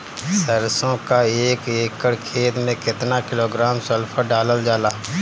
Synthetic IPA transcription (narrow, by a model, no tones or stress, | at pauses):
səɾsõkaeːkeːkəɽkʰeːt̪mẽkɪt̪nakɪloːɡɾaːmsəlpʰəɖaːləld͡ʒaːlaː